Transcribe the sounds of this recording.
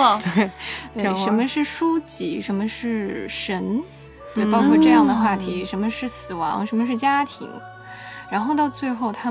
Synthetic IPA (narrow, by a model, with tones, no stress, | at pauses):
t̪we˥˩ɪ˥˧˥ʂə˧˥nmə˧ʂɻ̩˥˩ʂu˥t͡ɕi˧˥ʂə˧˥nmə˧ʂɻ̩˥˩ʂə˧˥n | t̪we˥˩ɪpɑ˥ʊkʰwɔ˥˧ʈ͡ʂɤ˥˧jɑ˥˩ŋd̪ə˩xwa˥˩t̪ʰi˧˥ʂə˧˥nmə˧ʂɻ̩˥˩sɹ̩˨˩wɑ̰˧˥ŋʂə˧˥nmə˧ʂ̬ɻ̩˥˩t͡ɕja˥t̪ʰḭ˧˥ŋ | ɻa˧˥nxo˥˧ʊt̪ɑ˥˧ʊt͡swe˥˧ɪxo˥˩ʊt̪ʰa˥